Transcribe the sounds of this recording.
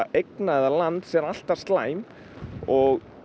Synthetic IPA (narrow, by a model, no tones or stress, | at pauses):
ʔejknaɛðalant̪sɛɾal̥t̪ḁst̪laːjm | ɔɣ